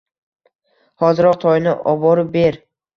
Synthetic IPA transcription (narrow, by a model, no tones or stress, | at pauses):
hɒzɪɾɒq̚t̪ʰɒjnɪʔɒbɒɾɪbe̞ɾ